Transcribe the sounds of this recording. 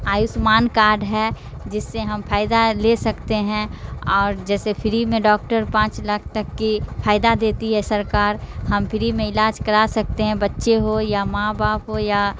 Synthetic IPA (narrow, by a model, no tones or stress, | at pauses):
aːjʊsmaːnkaːɾɖɦɛ | d͡ʒɪsːeɦɐmpʰaːɪd̪aleːsɐkt̪eɦɛ̃ɔːɾd͡ʒɛːsefʰɪɾimẽɖɔːk̚ʈəɾpãːt͡ʃlɐkʰt̪ɐkːifʰaːɪd̪ad̪eːt̪iɦɛsɐɾkaːɾɦɐmpʰɪɾimẽɪlaːd͡ʒkɐɾasɐk̚t̪eɦɛ̃bɐtːʃeɦojamãːbaːpɦoja